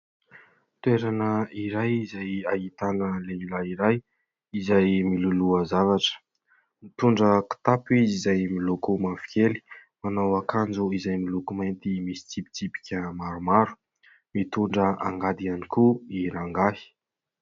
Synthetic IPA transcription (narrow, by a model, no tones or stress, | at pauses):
t̪weɾanəiɾajizajait̪anəleilaiɾaj | izajmiluluəzavaʈ͡ʂə̥ | mit̪uɳɖ͡ʐəki̥t̪apuizizajmilukumafi̥kʲeli̥manawakand͡zuizajmilukumajnt̪imisi̥t͡sipi̥t͡sipi̥kʲəmaɾumaɾu̥ | mit̪uɳɖ͡ʐəʔa̰ŋɡad̪ianikuiɾaŋɡahi̥